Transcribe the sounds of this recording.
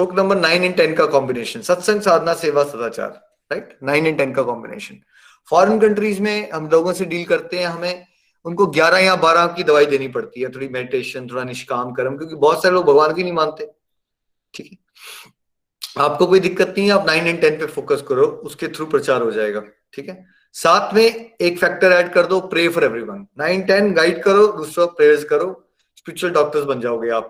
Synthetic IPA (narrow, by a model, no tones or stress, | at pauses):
ʃoːknɐ̃mbəɾnaːɪnɛ̃ɳʈɛnkakɔ̃ːmbɪneːʃənsɐt̪sɐ̃ŋɡsaːd̪ʱnaseːʋasɐt̪aːt͡ʃa̰ːɾ | ɾaɪʈnaːɪnɛ̃ɳʈɛnkakɔːmbɪnḛːʃən | fɔːɾənkɐ̃ɳʈɾiːzmẽɦɐmloːɡõseɖiːlkɐɾt̪eɦɛ̃ɦɐmẽ | ʊnkoɡjaːɾajãbaːɾãkid̪ɐʋaːid̪eːnipɐɽt̪iɦɛt̪ʰoːɽimɛːɖɪʈeːʃənt̪ʰoːɾanɪʃkaːmkɐɾmk̬ʲjõːkibɔːt̪saːɾeloːɡ̚bʱɐɡʋaːnbʱinɐɦĩmãːnt̪eɛ̃ | ʈʰiːkɦɛ | aːp̚kokoːid̪ɪkːət̪nɐɦĩɦɛ̃aːpnãːɪ̃nɛ̃ɳʈɛ̃npefoːkəskɐɾoːʊsket̪ʰɾupɾɐt͡ʃaːɾɦod͡ʒaːeːɡaː | ʈʰiːkɦɛ | saːt̪ʰmẽeːkfɛːk̚ʈəɾɛːɖkɐɾd̪opɾeːfɔɾɛʋɾiʋɐ̃nːãːɪnʈɛnɡaːɪɖkɐɾoːd̪uːsɾapɾeːɾzkɐɾoː | spɪɾɪt͡ʃəlɖɔːk̚ʈəɾsbɐ̃nd͡ʒaːoɡɐeaːp̚